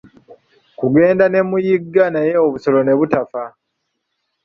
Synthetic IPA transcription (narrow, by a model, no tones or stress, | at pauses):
kuɡe̞ːndane̞mujiɡːanajeoβuso̞lo̞ne̞βutafa